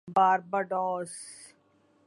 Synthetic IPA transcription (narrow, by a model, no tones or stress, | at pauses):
baːɾbəɖɔːs